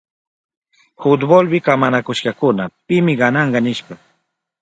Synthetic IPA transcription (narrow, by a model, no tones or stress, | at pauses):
hʊt̪bolwɪkamanakʊʃkɑkʊnapɪmɪɢɑnɑɴɢɑnɪʃpɑ